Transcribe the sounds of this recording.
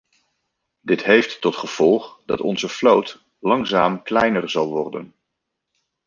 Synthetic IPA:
dɪtɦejftːɔtχəv̥ɔlˠχd̥ɑ̰tɔ̰nzəflowt | lɑŋzaːmklɛjnərzɑlˠʋɔɹdə̰n

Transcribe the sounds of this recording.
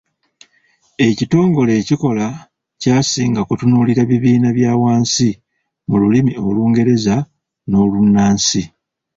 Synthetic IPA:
e̞cito̞ːŋɡo̞le̞ːciko̞la | caːsiːŋɡakutunuːliɾaβiβiːnaβjaːwaːnsi | mululimio̞luːŋɡe̞ɾe̞za | no̞lunːaːnsi

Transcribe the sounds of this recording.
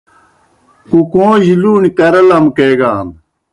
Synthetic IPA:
kukõːʑiluːnikɐɾɐlɐmkeːɡaːn

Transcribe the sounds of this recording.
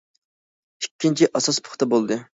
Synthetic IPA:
ykʲːint͡ʃʰiʔɑsɑspʰʊ̥χt̪ɑbolˠd̪ɨ

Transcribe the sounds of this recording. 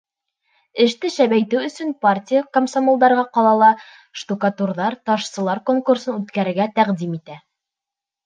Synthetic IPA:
ɘ̆ʃt̪ɘʃæβæjt̪ɘwɵ̆sɵnpartʲijakomsomolˠd̪ɑɾʁɑqɑlˠɑlˠɑ | ʃt̪ukat̪urðɑɾt̪ɑʃsɤ̆lˠɑɾkoŋkursɤnʉt̪kæɾɘ̆ɾɡæt̪æqd̪imit̪æ

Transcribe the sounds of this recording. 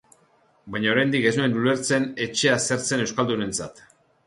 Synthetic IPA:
bajɲao̞ɾajnd̪ike̞znuenule̞ɾt͡se̞ne̞t͡ʃe̞ase̞ɾt͡se̞ne̞wskald̪une̞nt͡sat̪

